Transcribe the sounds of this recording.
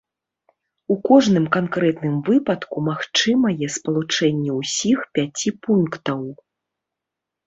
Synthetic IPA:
ukɔʐnɨmkankɾɛt̪nɨmvɨpɐt̪kumaxt͡ʂɨmɐjɛspɐlˠut͡ʂɛnʲːɛwsʲixpʲat͡sʲipunkt̪ɐw

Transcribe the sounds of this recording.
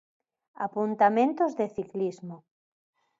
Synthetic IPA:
a̰punt̪amẽnt̪ozðeθiklizmo

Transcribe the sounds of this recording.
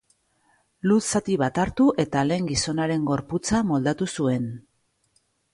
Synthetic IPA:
lusat̪iβat̪aɾt̪uʔe̞t̪ale̞ːŋɡiso̞naɾe̞ŋɡo̞ɾput͡samo̞ld̪at̪usue̞n

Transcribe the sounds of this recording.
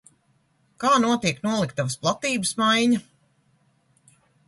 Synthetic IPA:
kaːnuɔt̪iɛknuɔlˠikt̪avəsplˠat̪iːbɨsmajɲɐ

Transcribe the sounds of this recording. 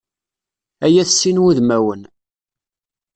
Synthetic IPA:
æjæθsːinwuðmæwən

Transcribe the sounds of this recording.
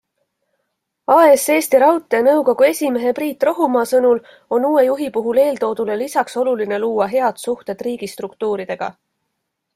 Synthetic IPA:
ɑese̞ːst̪iɾɑwt̪ːˑenɤwko̞ɡ̥ue̞sʲime̞ɦe̞priːt̪ːˑro̞ɦumɑːsɤnul | o̞nuːwe̞juɦipuɦule̞ːld̪o̞ːd̪̥ulelisɑkso̞luline̞luːɑɦe̞ɑd̪̥suht̪e̞d̪̥riːɡ̥ist̪rukt̪uːɾid̪e̞ɡ̥ɑ̰

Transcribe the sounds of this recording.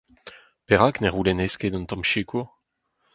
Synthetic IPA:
pɛʁakneʁulɛnɛsked̪ɑ̃nt̪ɑ̃mʃikuʁ

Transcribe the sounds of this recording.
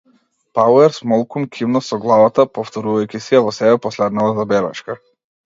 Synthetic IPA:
pawɛɾsmɔlˠkumkʰʲimnɔsɔɡlˠavat̪apɔft̪ɔɾuvajkʲisiavɔsɛbɛpɔslɛd̪nalazabɛɾa̰t͡ʃka

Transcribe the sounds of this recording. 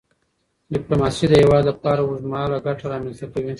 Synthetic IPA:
ɖɪplomasid̪əhewɑːd̪lapɑːɾaʊzmɑlaɡaʈaɾɑːmilst̪akawi

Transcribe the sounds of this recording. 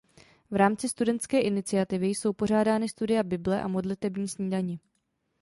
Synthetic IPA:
vɾaːmt͡sɪst̪udɛnt̪skɛːʔɪnɪt͡sɪjat̪ɪvɪjso̞wpo̞r̝aːdaːnɪst̪udɪjabɪblɛʔa̰mo̞dlɪt̪ɛbɲiːsɲiːdaɲɪ

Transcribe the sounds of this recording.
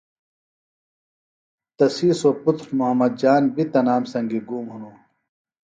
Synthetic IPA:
t̪ɐsiːsoput̪ɾmuɦɐmːɐd̪̚d͡ʑaːnbʱit̪ɐnaːmsɐŋɡiɡuːmɦunuː

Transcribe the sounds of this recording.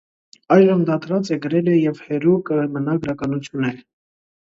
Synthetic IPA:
ɑjʒəmd̪ɑt̪ɾɑt͡sɛɡəɾɛlɛjɛvhɛɾukəmənɑɡəɾɑkɑnut͡sʰjunːɛɾ

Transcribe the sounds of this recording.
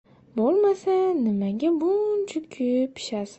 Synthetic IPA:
bolˠmasanɪmaɡʲabʊnt͡ʃʰʊkʲʰypʰi̥ʃasɪ

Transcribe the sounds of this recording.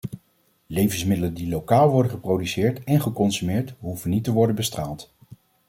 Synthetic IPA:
lejvənsmɪdələndilowkaːlˠʋɔɹdəχəprowdysɪːɹtɛnχəkɔnsymɪːɹtɦuvənitəʋɔɹdənbəstraːlˠt

